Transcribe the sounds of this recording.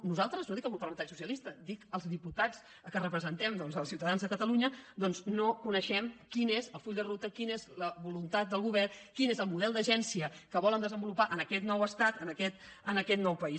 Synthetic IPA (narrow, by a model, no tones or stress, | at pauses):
nuzalˠt̪ɾəznoðikəlˠmupəɾrlənat͡ʃsusiəlist̪əd̪ikəlˠzðiput̪at͡s | kərəpɾəzənt̪ɛmd̪ɔnzəlˠsiwt̪əðanzðəkət̪əluɲəd̪ɔnznokunəʃɛmkinezəlˠfuʎd̪ərut̪əkinezləβulunt̪at̪̚d̪əlˠɣuβɛrkinezəlˠmuðɛlˠd̪əʒɛnsiəkəβɔlənd̪əzəmbulupaʔənəkɛt̪nɔwəst̪at̪ənəkɛt̪ənəkɛt̪nɔwpəis